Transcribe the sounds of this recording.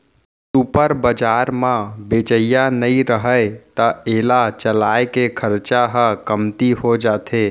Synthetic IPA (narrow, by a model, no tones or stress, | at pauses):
upəɾbəd͡ʒaɾmãbet͡ʃəjanəĩɾəɦəet̪əeːlat͡ʃəlaːekekʰəɾt͡ʃaɦəkəmt̪iɦod͡ʒaːt̪ʰe